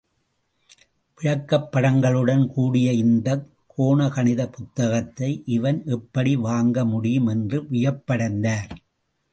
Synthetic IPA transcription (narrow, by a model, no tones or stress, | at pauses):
pɪɻɐkːɐpːɐɽɐŋɡɐɭɯɽɐnkuːɽɪjɐɪnd̪ɐkʰːoːɳɐkɐnɪðɐpʊt̪ːɐɣɐt̪ːɐɪʔɪʋɐnʔɛpːɐɽiʋaːŋɡɐmʊɽɪjɯmɛndrɯʋɪjɐpːɐɽɐnd̪aːɾ